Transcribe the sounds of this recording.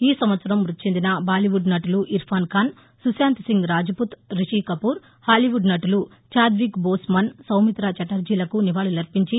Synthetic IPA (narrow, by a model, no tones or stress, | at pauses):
iːsɐmʋɐt̪sɐɾɐmʋɾut̪ːit͡ʃend̪inɐbaːliʋuɖnɐʈuluʔiɾpʰaːnkaːn | susjaːnt̪siŋɡɾaːd͡ʒɐput̪ɾiʂiːkɐpuːɾ | haːliʋuɖnɐʈulu | t͡ʃaːd̪ʋikboːsmɐnsɐwmit̪ɾaːt͡ʃɐʈɐɾd͡ʒiːlɐkuniʋaːɭulɐɾpiɲt͡ʃi